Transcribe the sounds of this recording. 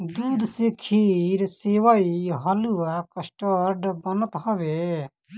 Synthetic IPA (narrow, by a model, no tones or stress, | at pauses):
d̪uːd̪sekʰiːɾseːʋaiɦɐluakəsʈəɾɖbənət̪ɦəʋe